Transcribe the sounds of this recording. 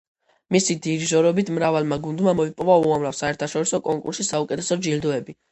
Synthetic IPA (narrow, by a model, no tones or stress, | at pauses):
misid̪iɾʒɔɾɔbit̪ʰmɾavalˠmaɡund̪mamɔipʼɔvauamɾavsaɛɾt̪ʰaʃɔɾisɔkʼɔŋkʼṵɾʃisaukʼɛt̪ʰɛsɔd͡ʒild̪ɔɛbi